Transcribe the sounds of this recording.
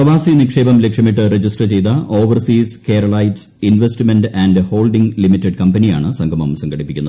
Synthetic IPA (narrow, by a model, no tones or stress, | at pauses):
prɐʋaːsinikʂe̞ːbɐmlekʂɐmiʈːɨred͡ʑisʈrɐt͡ɕe̞jt̪ɐʔoːʋɐrsiːske̞ːɾɐɭɐjʈs | inʋestimenɖænɖho̞ːlɖiŋɡlimitːeɖkɐmbɐnija̰ːɳɨsɐŋɡʱɐmɐmsɐŋɡɐɽipːikʲːunːɐð